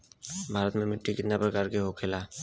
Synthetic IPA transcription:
bʱaːɾət̪mẽmɪʈːikɪt̪napɾəkaːɾkeɦokʰeːlaː

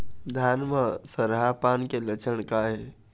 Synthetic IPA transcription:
d̪ʱanməsəɾɦapankelət͡ʃʰənkaɦe

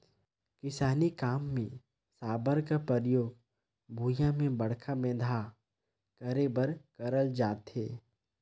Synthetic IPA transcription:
kɪsaːnikaːmːẽ | saːbəɾkapɾəɾjoːɡ | bʱuːjãmẽbɐɽ̤kʰabẽːd̪ʱa | kəɾebəɾkəɾəld͡ʒaːt̪ɦeː

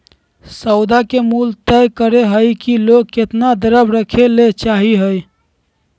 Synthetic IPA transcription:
səʊd̪akemult̪əjkəɾeɦəjkiloɡ̚ket̪nad̪əɾəbɾəkʰelet͡ʃaɦiɦəj

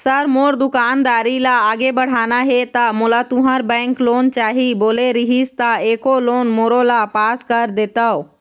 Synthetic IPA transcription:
səɾmoːɾd̪ʊkaːnd̪aːɾilaaːɡebəɽ̤aːnaɦet̪amulat̪uɦãɾbɛ̃ːŋkloːnt͡ʃaːɦiboːleɾiɦist̪aeːkoloːnmoɾolapaːskəɾd̪eːt̪əo

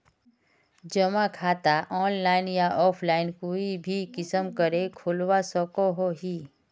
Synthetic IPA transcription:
d͡ʒəmakʰaːt̪aʔɔːnlaːɪnjaʔɔːpʰlaːɪnkoːibʱikɪsəmkəɾekʰoːlwasɔkoɦoɦiː

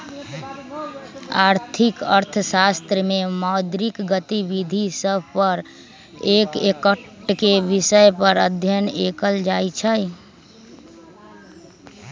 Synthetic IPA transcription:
aːɾt̪ʰikəɾt̪ʰəsast̪ɾəmemad̪ɾikɡət̪ibid̪ʱisəbʱpəɾ | eːkekəʈkeʋɪsəjpəɾəd̪ʱjənekəld͡ʒajt͡ʃʰəj

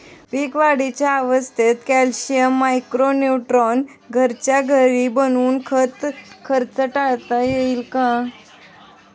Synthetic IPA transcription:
pikʋaɽit͡ɕjaːʋəst̪ʰet̪kælɕijəmːajkɾonuʈɾon | ɡʱəɾt͡ɕjaɡʱəɾibənuːnkʰət̪kʰəɾt͡səʈaɭt̪ajeilkã

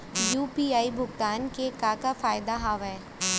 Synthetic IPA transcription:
juːpiːaːibʱʊɡt̪aːnkekaːkafaːjd̪aɦaːʋɛː

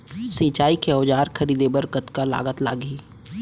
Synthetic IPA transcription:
sĩːt͡ʃaːikeɔːd͡ʒaːɾkʰɐɾiːd̪ebəɾkət̪kala̰ːɡət̪la̰ːɡiː

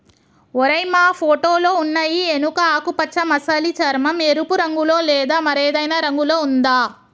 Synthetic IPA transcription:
ɔɾɐjmaːpʰoːʈoːloːunːɐjienukɐaːkupɐt͡ʃːɐmɐsɐlit͡ʃɐɾmɐmeɾupuɾɐŋɡulo̞ːlɛːd̪aːmɐɾeːd̪ɐjnɐɾɐŋɡulo̞ːund̪aː

